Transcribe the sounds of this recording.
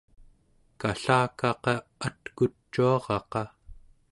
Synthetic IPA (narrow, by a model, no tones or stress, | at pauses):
kaɬaːkɑqɑat̪kut͡ʃːuɑʁɑqɑ